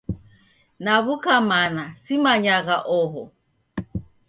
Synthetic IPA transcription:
naβukamanasimaɲaɣaʔɔɦɔ̰

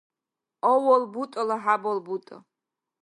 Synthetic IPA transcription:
ɔwɔlbut̪ʼɔlaħabɔlbut̪ʼɔ̰

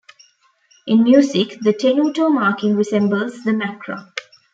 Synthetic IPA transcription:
ʔɪ̃nmjuːsɪkd̪əʈʰenuːʈoːmaːkɪ̃ŋɾɪsɛ̃mbəlzd̪əmækɾo̰

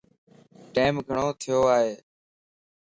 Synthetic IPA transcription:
ʈeːmɡʱəɳoːt̪ʰɪjoːaːɦeː

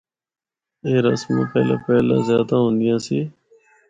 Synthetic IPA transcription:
eːɾəsmẽːpɛːlã̰ːpɛːlã̰ːzjaːd̪ãːɦõːnd̪ɪjãːsiː

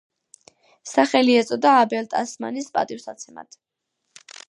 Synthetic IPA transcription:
saχɛliɛt̪sʼɔd̪aːbɛlt̪ʼasma̰nispʼa̰t̪ʼifsat̪sʰɛma̰t̪ʰ

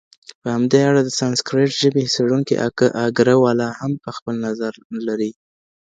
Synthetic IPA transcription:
pəhamd̪eaɽad̪əsanskɾeʈʒəbeseɽuŋkḭʔa̰ʔaɡɾəwɑlɑhampəxpəlnazaɾlaɾi

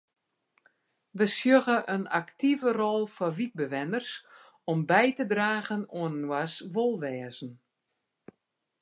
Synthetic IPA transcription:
ʋəsjøɣəʔənaktivərɔlˠfɔʋik̚bəʋɛnərs | ɔmbɛjtədraːɣənoənnwasʋolˠʋɛːzn̩

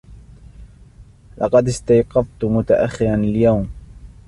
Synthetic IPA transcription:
lʔɑ̰qɑd̪ɪst̪ajqɑft̪mʊt̪aʔaxːɪɾanaljawm

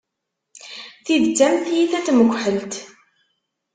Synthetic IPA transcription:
θiðt͡sːæmθjiθæt͡s̪ːməɡʷːħəlt̪

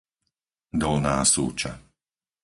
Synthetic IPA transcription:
d̪ɔlna̰ːsṵːt͡ʃa̰

